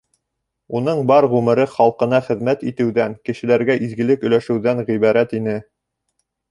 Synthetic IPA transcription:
unɤɴbɑɾʁʉmɘ̆ɾɘχɑlˠqɤ̆nɑχɘ̆ðmæt̪it̪ɘ̆wðæŋkɘ̆ʃɘ̆læɾɡæʔizɡɘ̆lɘkɵ̆jlæʃɘ̆wðæŋʁiβɑɾæt̪inɘ

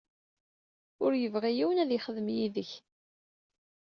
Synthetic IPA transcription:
ʊɾjəvʁijiwənæðjɪχəðəmjiðəç

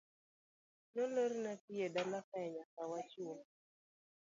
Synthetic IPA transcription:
noleɾnatijedalapɛɲakawat͡ʃo

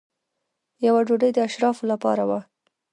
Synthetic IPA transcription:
jawaɖoɖəjd̪əaʃɾɑfolapɑ̰ɾawa

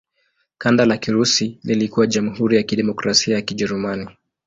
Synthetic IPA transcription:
kandalakiɾusililikuwaʄamuhuɾijakiɗɛmɔkɾasiajakiʄɛɾumani

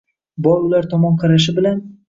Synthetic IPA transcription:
bɒɾʊlaɾt̪ʰɒmɒnqʰɑɾaʃ̬ɪbɪlan

